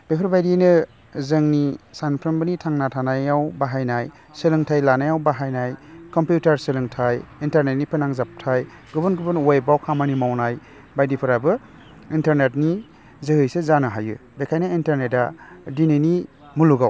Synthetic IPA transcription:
b̥epʰɯɾbajdinɯ | zɯŋnisanpʰɾɯmbɯnitʰaŋnatʰanajawbaɦajnaj | sɯlɯŋtʰajlanajawbaɦajnajkɔmpjutaɾsɯlɯŋtʰajintaɾnet̚nipʰɯnaŋzap̚tʰaj | ɡɯbɯnɡɯbɯnojbawkʰamanimawnaj | bajdipʰɯɾabɯ | intaɾnet̚ni | zɯhɯjsezanɯɦajɯ̰bekʰajnaintaɾnet̚adinɯni | muluɡaw

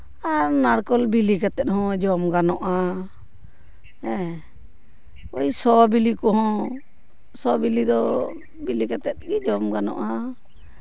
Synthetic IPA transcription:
aɾnaɽkɔlbilikat̪ɛt̪̚hɔ̃d͡ʒɔmɡanɔʔa | ɛ̃ | ɔjsɔbilikɔɦɔ̃ | sɔbilid̪ɔ | bilikat̪ɛt̪̚ɡid͡ʒɔmɡanɔ̰ʔa

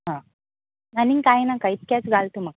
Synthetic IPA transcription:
ɦãː | nɐniŋkaːjinakɐjt̪̚kaːsɡaːlt̪umɐk

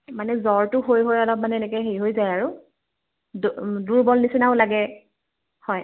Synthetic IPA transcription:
manɛzɔɹtʊɦojɦojɔlɔp̚manɛɛnɛkɛɦejɦojzajaɹʊ | dduɹbɔlnisinaʊ̃laɡɛ | hɔj

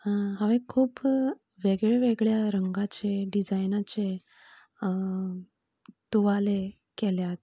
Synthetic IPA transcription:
ɦaʋẽkʰuːp | ʋeɡɭeʋeɡɭjaɾəŋɡat͡ɕeɖid͡zajnat͡ɕe | t̪uʋale | kɛljat̪̚

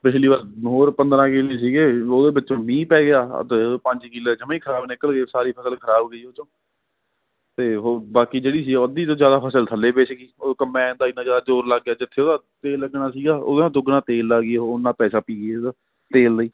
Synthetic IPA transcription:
pɪt͡ʃʰliːʋaːɾɦoːɾpənd̪ɾãːkɪleːsiːɡeːoːd̪eːbɪtːʃõːmĩːpɛːɡɪja̰ːt̪ːpəɲd͡ʒkɪleːd͡ʒəmãːiːkʰəɾaːbnɪkəlɡeːsaːɾiːpʰəsəlkʰəɾaːbɡəiːoːt͡ʃõː | t̪eːɦoːbaːkiːd͡ʒeːɽiːsiːɡəd̪iːt̪õːd͡ʒjaːd̪aːpʰəsəlt̪ʰəlːeːbeːt͡ʃɡiːoːkəmːɛ̃ːnd̪aːɪnːãːd͡ʒjaːd̪aːd͡ʒoːɾlaːɡːjaːd͡ʒɪt̪ʰːeːoːd̪aːt̪eːlːəɡnaːsiːɡaːʔo̰ːd̪oːd̪ʊɡnaːt̪eːlːaːɡioʊnːãːpɛːsaːpiːɡeː | t̪eːld̪əiː

